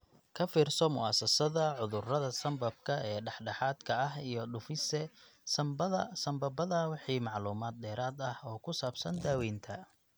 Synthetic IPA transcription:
kʰɐfiːrsɔmʊ̰ʔaːsɐsɐðɐʕʊðʊrɐðɐsɐmbɐb̚kʰɐɛːɖɑħɖɑħaːd̪kʰɐɐɦijɞɖʊfɪsɛ | sɐɐsɐmbɐbɐðɐwɑħiːmɑʕluːmaːd̪̚d̪ɛːɾaːd̪ɐhɔːkʰʊsaːbsɐnd̪aːwɛːnt̪ʰɐ

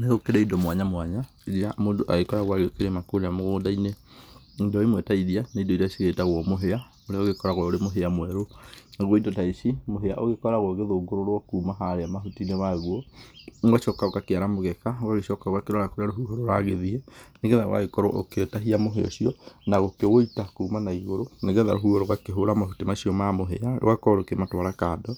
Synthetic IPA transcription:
neɣokeɾeindɔmwaɲamwaɲa | iɾiɾamoːndoʔaɣekɔɾaɣwaɣeokeɾemakoɾeamoɣoːdaine | indɔimwetaiðianeindɔitaisiɣetaɣwɔmoɦea | oɾeaoɣekɔɾaɣwɔoɾemoɦeamwɛɾonaɣwɔidɔtaiʃimoɦeaʔoɣekɔɾaɣwɔɣeðoːɡoɾoɾwɔkumaɦaɾeamaɦutinemaɣwɔnwaʃɔːkaokakeaɾamoɣɛkaokaɣeʃɔkaoɣakeɾɔɾakoɾeaɾoɦuɦoɾoɾaɣeðiɛneɣɡɛðao̰wa̰ɣekɔɾɔʔo̰ketaɦiamoɦeɔ̰ʃiɔnaɣokewoitakuːmanaiɣoɾoneɣɛða̰ɾoɦuɣoɾoɣakeɦoɾamaɦutimaʃiɔmamoɦḛalo̰akɔɾokematwaɾakadɔ

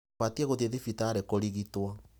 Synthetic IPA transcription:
atiɛɣoðeðifitaːɾekoɾiɣitwɔ

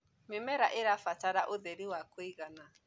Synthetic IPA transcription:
mɪmɛɾaʔeɾafataɾaʔoðɛɾiwakwiɣana

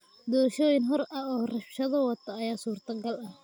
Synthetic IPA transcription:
d̪ɔːʃɔːjɪnɦɔɾʔɐɔːrɐfʃɐðɐwɐt̪ʰɐːjaːsuːrt̪ʰɐɡɐlɐh

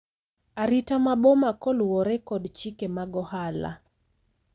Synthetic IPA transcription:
aɾitamaɓɔmakɔluwɔɾɛkɔdt͡ʃikɛmaɡɔhala̰

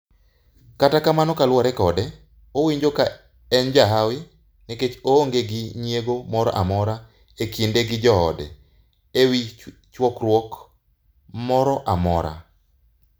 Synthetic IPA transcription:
katakamanɔkalwɔɾɛkɔdɛ | owiɲd͡ʒoka | ɛnd͡ʒaɦawɪ | nɛket͡ʃooŋɡeɡɪɲjeɡomɔɾɔ̰ʔa̰mɔɾa | ekindeɡɪd͡ʒɔɔ̰dɛ̰ | ewi | t͡ʃwɔkrwɔk | mɔɾɔʔamɔ̰ɾa̰

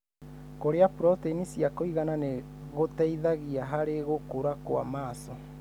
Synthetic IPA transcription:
koɾeapuɾɔteinisiakoiɣanane | ɣotɛiðaɣiaɦaɾeɣokoɾakwa̰maːsɔ

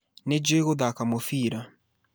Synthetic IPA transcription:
ned͡ʒweɣoðakamofiːɾa

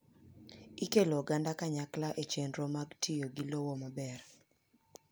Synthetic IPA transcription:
ikeloɡandakaɲaklaʔet͡ʃenɾomaɡtʰɪjoɡilowomabɛr

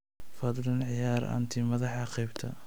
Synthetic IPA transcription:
fɐd̪lɐnʕɪjaːɾa̰nt̪ʰimɐðɑħɑqɑjbt̪ʰɐ

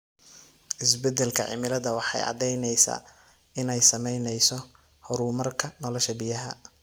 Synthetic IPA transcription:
ʔɪsbɛd̪ɛlkʰɐʕɪ̰mɪlɐðɐwɑħɑ̰jɑ̰d̪ɛjnɛjsa̰ː | ɪnɛjsɐmɛjnɛjsɔ | hɔɾuːmɐrkʰɐnɔlɔʃɐbɪjɐɦɐ

